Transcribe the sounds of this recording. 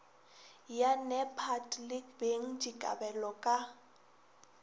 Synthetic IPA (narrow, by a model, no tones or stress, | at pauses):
janɛpʰatlɪkbeŋ̩d͡ʒikʼa̰bɛlɔkʼa